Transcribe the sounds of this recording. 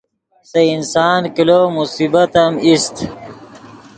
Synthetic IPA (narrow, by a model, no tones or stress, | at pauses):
seinsaːnkiloːmusibɐt̪ɐmist̪